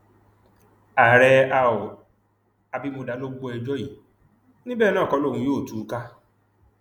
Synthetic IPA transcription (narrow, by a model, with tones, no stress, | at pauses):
a˨ɾɛ˧a˧o˨ | a˧bi˧mo˧da˨˧˦lo˦ɡ͡bo˧˦ɛ˧d͡ʒɔ˦ji˨˦ | nĩ˦bɛː˦˨nãː˦˨kɔ˧˦lo˦˨ũ˧joː˦˨tu˨˦ka˦